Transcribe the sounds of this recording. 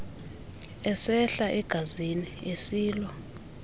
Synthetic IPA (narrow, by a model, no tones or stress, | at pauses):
ɛsɛɬaʔɛɡ̥ʱaziniesiːlɔ